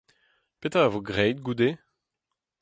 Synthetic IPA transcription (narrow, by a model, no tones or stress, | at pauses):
pet̪aavoɡʁɛjt̪̚ɡud̪e